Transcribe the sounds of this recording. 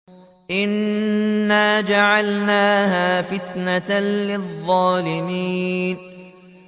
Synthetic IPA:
ʔɪnː | aːd͡ʒaʕalnaːhaːfɪt̪nalɪðˤːɑːlɪmiːn

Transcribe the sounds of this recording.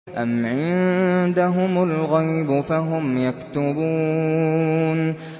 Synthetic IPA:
ʔamʕɪnd̪aɦʊmalɣajbʊfaɦʊmjakt̪ʊbuː | n

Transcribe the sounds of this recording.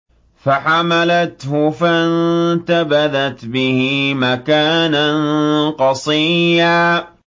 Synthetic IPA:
faħamalat̪hʊfant̪abaðat̪bɪhɪmakaːnanqɑsˤijaː

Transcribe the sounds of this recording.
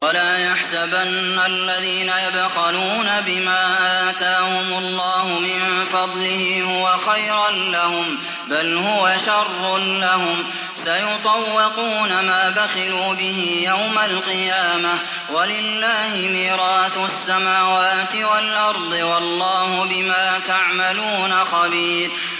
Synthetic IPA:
walaːjaħsabanːalːaðiːnajad̪xaluːnabɪmaːʔaːt̪aːhʊmʊlːɑːhʊmɪnfɑd̪ˤlɪhɪhʊwaxajɾanlahʊm | balhʊwaʃɑrˤːʊlahʊm | sajʊt̪ˤɑwːɪquːnamaːbaxɪluːbɪɦɪjawmalqɨjaːma | walɪlːaːhɪmiːɾɑːθasːamaːwaːt̪ɪwalʔɑɾˤd̪ˤɨwɑlˤːɑːhʊbɪmaːt̪aʕmaluːnaxɑbiːɾ

